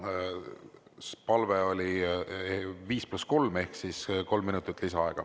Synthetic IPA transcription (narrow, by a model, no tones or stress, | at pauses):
pɑlveo̞lʲi | viːsplusko̞lme̞hksisko̞lmːinut̪ːˑit̪ːˑlisɑɑ̰eɡ̥ɑ̰